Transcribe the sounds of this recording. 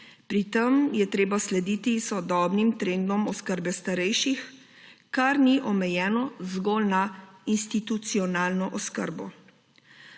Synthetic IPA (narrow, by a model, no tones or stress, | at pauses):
pɾit̪əmjɛt̪ɾeːbaslɛd̪iːt̪isɔd̪ɔːbnimt̪ɾeːnd̪ɔmɔskəɾbɛst̪aɾɛjʃix | kaɾniʔɔmɛjɛːnɔzɡɔːlnainst̪it̪ut̪siɔnaːlnɔʔɔskə̰ɾbɔ